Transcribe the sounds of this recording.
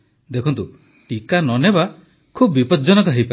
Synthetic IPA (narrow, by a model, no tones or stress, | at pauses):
d̪ekʰɔnt̪u | ʈikanɔneba | kʰubbipɔd͡ʒɔnɔkɔɦejpa